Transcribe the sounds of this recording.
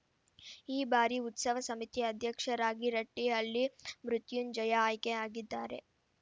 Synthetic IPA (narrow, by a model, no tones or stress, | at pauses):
iːbaːɾiut̪sɐʋɐsɐmit̪iɐd̪ʱjɐkʂɐɾaːɡiɾɐʈːiɐlːimɾut̪jund͡ʒɐjɐːjkeaːɡid̪ːaːɾe̞̰